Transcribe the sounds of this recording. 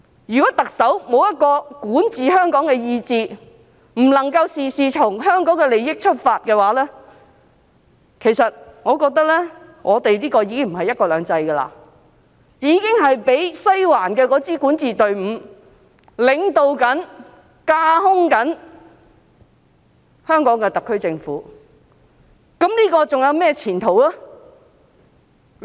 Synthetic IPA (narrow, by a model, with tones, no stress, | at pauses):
jyː˨˩kɔː˨˥t̪ɐ˨k̚sɐ˨˥wmo˨˧wjɐ˥t̚kɔː˧kuː˨˥nt͡siː˨ɦœː˥ŋkɔː˨˥ŋkɛː˧jiː˧t͡siː˧ | m̩˨˩lɐ˨˩ŋkɐ˧wsiː˨siː˨tʰʊ˨˩ŋɦœː˥ŋkɔː˨˥ŋkɛ˧le˨jɪ˥k̚t͡ʃʰɵ˥t̚faː˧t̚kɛː˧waː˨˥lɛː˥ | kʰe˨˩jsɐ˨t̚ŋɔː˨˧kɔː˧k̚t̪ɐ˥k̚lɛː˥ | ŋʔɔː˨˧t̪e˨jliː˥kɔː˧jiː˨˧kɪ˥ŋm̩˨˩hɐ˨jːɐ˥t̚kɔː˧lœː˨˧ŋt͡sɐ˧jɡɐ˧la̰ː˧ | jiː˨˧kɪ˥ŋɦɐ˨jpe˨˥jsa˥jwaː˨˩nkɛː˧kɔː˨˥t͡siː˥kuː˨˥nt͡siː˨t̪ɵ˨ɥm̩ː˨˧ | lɪ˨˧ŋt̪o˨˧wkɐ˨˥n | kaː˧˥hʊ˥ŋkɐ˨˥n | hœː˥ŋkɔː˨˥ŋkɛː˧t̪ɐ˨kʰːɥt͡sɪ˧ŋfuː˨˥ | kɐ˨˥mniː˥kɔː˧t͡sʊ˨ŋjɐ˨˧wmɛː˥˧t͡sʰiː˨˩nt̪ʰo˨˩wla˥